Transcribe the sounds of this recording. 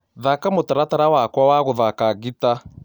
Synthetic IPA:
ðakamotaɾataɾawakwawaɣoðakaɣita

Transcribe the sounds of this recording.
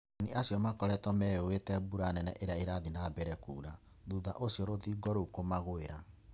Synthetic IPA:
niʔasjɔmakɔɾɛtɔmɛowetɛbuɾanɛnɛ̰ʔeɾeaeɾaðinabɛɾɛkṵːɾa | ðuða̰ʔosjɔɾoðiːɡɔɾokomaɣoeɾa

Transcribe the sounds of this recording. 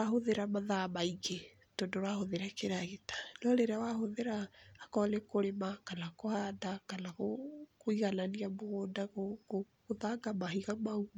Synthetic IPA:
ahoðeɾamaðaːmaiɣe | tondoɾwahoðeɾakeɾaɣetḁlɔɾeɾeawahoðeɾaːkɔlɛkoɾemakanakohandakanaɣokoiɣananiamoɣoːndaɣoko | koðaɡamaɦiɣamauma

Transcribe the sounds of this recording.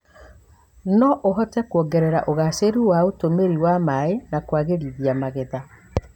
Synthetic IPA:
nɔʔoɦɔtɛkwɔɡɛɾɛɾaʔoɣaseɾuwaotomeɾiwamaenakwaɣeɾiðiamaɣeða

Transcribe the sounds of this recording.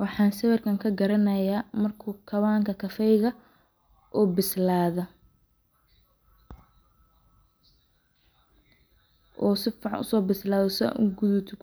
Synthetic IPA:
wɑħɑːnsɐwɛrkʰɐŋkʰɐɡɐɾɐnɐjaːmɐrkʰuːkʰɐwaːŋkʰɐkʰɐfɛjɣɐ | ʔʊbɪslaːðɔ | ʔɔːsɪfʕɑnʊ̰sɔːbɪslaːðɔsʔʊɡʊðʊt̪ʰʊ

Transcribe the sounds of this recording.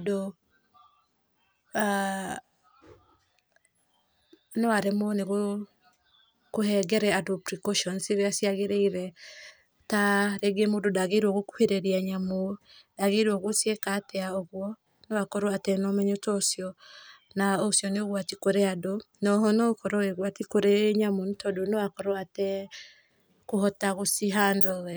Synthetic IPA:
do | a | newaɾemoneɣo | kohɛɡɛɾɛadopɾikɔʃɔnsiɾeasiaɣeɾeiɾɛ | taɾeɡemondodaɣeɾwɔɣoku̥heɾeɾiaɲamodaɣeɾwɔɣosiekatɛaɔɣwɔ | newakɔɾoatɛnɔmɛɲotɔsjɔ | naosjɔneoɣwatikoɾeadonɔɦɔnɔkɔɾɔeɣwatikoɾeɲamontɔdonewakɔɾoatɛ | koɦɔtaɣosiɦandɔɛ

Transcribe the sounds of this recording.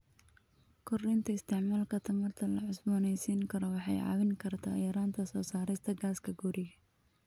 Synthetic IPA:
kʰʊrɪnt̪ʰɐɪst̪ʰɛʕmaːlkʰɐt̪ʰɐmɐrt̪ʰɐlɐʕʊsbɔːnɛjsiːŋkʰɐɾɔwɑħɑjʕɑ̰ːwɪŋkʰɐrt̪ʰa̰ːjɐɾaːnt̪ʰɐsɔːsaːɾɛjst̪ʰɐɡaːskʰɐɡʊɾɪɣɐ

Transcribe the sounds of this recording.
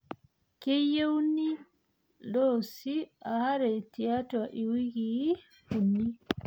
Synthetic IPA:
kɛjewni | lɔsiahaɾɛtiataʔiwiɡi | hunːi

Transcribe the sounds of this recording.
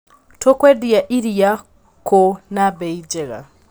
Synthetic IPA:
tʰokwediaʔiɾija | kʰonabeid͡ʒeɣa̰

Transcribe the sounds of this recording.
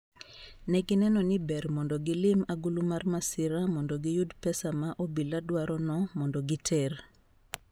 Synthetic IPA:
nɛɡɪnɛnɔnɪbɛrmɔndɔɡɪlɪmaɡulumarmasɪɾamɔndɔɡɪjudpɛsamaʔobiladwaɾɔnɔmɔndɔɡɪtʰɛr

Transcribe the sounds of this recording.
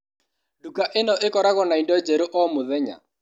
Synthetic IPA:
dukaʔɪnɔʔɪkɔɾaɣɔnaindɔd͡ʒɛɾoʔɔmʊðɛɲa̰

